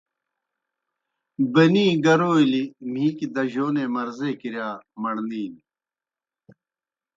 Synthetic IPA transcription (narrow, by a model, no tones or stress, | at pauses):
bɐniːɡɐɾoːilim̤ĩːkid̪ɐʑoːnemɐɾzeːkiɾjaːmɐɽniːn